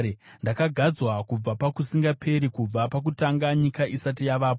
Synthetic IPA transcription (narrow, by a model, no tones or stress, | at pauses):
ndakaɡʱad͡zwakub͡vapakusiŋɡapʰe̞ɾikub͡vapak̬utaŋɡaɲikaʔisat̬ijaʋaːp̬o